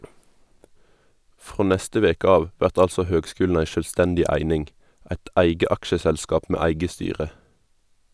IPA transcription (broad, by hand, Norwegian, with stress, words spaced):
ˈfʁoː ˈnɛstə ˈʋeːkə ˈɑːʋ ˈʋæʁt ˈɑlsɔ ˈhøːɡˌskʉːln̩ ˈæɪ ˈʃøːlˌstɛndɪ ˈæɪnɪŋɡ ˈæɪt ˈæɪɡə ˈɑkʃəsɛlˌskɑːp ˈmeː ˈæɪɡə ˈstyːʁə